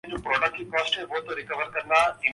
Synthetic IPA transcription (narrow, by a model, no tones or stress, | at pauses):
d͡ʒupɾoːɖək̚ʈikɔːsʈebɔːt̪oɾɪkəʋəɾkɐɾnaɪ